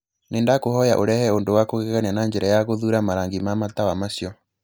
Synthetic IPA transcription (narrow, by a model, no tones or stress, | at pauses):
neːndakohɔjaʔoɾɛhɛondowakoɣeɣanianaɲd͡ʒɛɾajaɣoðuɾamaɾaŋɡimamatawamasjɔ